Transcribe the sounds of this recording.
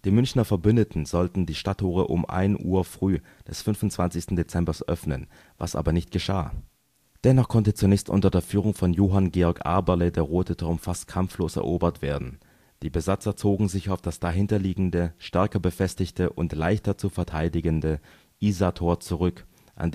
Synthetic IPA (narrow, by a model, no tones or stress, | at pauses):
d̥iːmʏnçnɐfɛɐbʏndətn̩zɔltn̩diːʃtatʰːoːʁəʔʊ̰mʔa̰ɪnʔṵːɐfʁ̥yː | d̥ɛsfʏnvʊntt͡sv̥ant͡ssɪçstn̩det͡sɛmbɐsʔœ̰fnən | va̰sʔa̰ːbɐnɪçt̚ɡ̥əʃa̰ː | d̥ɛnɔχkʰɔntət͡sunɛːçstʔʊ̰ntɐdeːɐfyːʁ̞ʊŋfɔnjoːɦanɡeːɔɐkʔa̰ɐbɐlədeːɐʁoːtətʰoʊmfast̚kʰamfloːsɛ̰ɐʔoːbɐtv̥ḛːɐdn̩ | d̥iːbəzat͡sɐt͡soːɡŋ̩zɪçaʊfd̥asd̥aɦɪntɐliːɡŋ̩dəʃtɛɐkɐbəfɛstɪçtəʔʊntlaɪçtɐt͡sufɛɐtʰaɪdɪɡəndə | ʔiːzatʰoːɐt͡suʁ̞ʏk | ʔa̰n